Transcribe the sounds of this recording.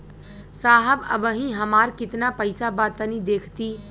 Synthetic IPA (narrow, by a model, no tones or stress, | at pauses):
saːɦəbə̰bəɦĩɦəmaːɾkɪt̪napəɪsabaːt̪ənid̪eːkʰt̪i